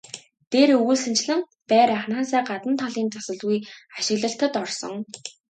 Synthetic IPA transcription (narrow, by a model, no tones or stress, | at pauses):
t̪eːɾɵɣuːɮsɘ̆nt͡ɕɮɘ̆ŋ | pæːɾaχnaːsæːɢat̪ə̆nt̪ʰaɮiːnt͡sasə̆ɮɣujaʃɪ̆ɣɮə̆ɬt̪ə̆t̪ɔrsɞ̰̆ŋ